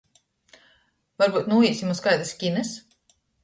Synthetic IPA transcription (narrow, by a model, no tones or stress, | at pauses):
vaɾbuːt̪nuːiːsʲimuskajd̪ɨskʲinɛs